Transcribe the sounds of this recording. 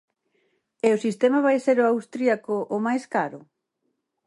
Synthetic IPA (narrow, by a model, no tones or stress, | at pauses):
eʊsist̪emaβajseɾʊawst̪ɾiakʊʔːmajskaɾʊ